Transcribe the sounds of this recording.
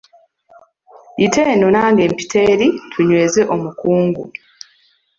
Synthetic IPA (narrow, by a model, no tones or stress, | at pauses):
ite̞ːnonaːŋɡe̞ːmpi̥tʰe̞ːɾitʰuɲwe̞ːze̞ʔo̞mukuːŋɡṵ